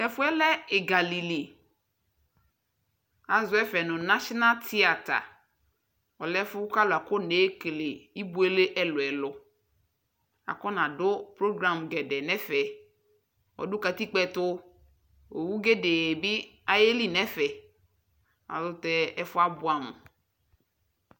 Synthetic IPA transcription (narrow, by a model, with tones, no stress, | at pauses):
nɛ˨fʊ˦ɛ˦lɛ˦ɪ˨ɡa˨li˨li˨ | a˨zʊ˨˦ɛ˦fɛ˨nʊ̃˨na˦ʃɔ˦na˦ltʰi˦a˨ta̰˨ | ɔ˨lɛ˦fʊ˦ka˦lʊ˨a˨kʊ˦ne˨˦ke˨le˨i˦bu˨˦e˦le˦ʔɛ˦lʊ˨ɛ˨lʊ˨ | a̰˨kɔ˦nã˨dʊ˦pɾo˦ɡɾã˨mɡɛ˨dɛ˨nɛ̃˦fɛ˨ | ɔ̰˨dʊ˦ka˨ti˦k͡pɛ˦tʊ˦ | o˨wu˦ɡe˦de˨bɪ˦a˨je˦li˦nɛ̃˦fɛ˨ | a̰˨zʊ˦tɛ˦ɛ˦fʊ˦a˦bʊ˨˦a˨nʊ̰̃˨